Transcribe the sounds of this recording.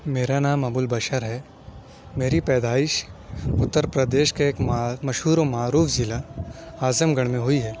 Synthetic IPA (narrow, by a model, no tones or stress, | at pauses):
meːɾanaːmɐbʊlbɐʃəɾɦɛ | meːɾipɛːd̪aːɪʃʊt̪ːəɾpɾəd̪eːʃkeːkːmɐʃɦuːɾomaːɾuːfʰzɪlaaːzəmɡɐɽ̃mẽɦʊiɦɛː